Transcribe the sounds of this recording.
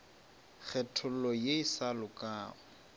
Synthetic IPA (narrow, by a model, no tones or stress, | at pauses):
k͡xʰɛtʰʊlɔjeisalʊkʼaːʊ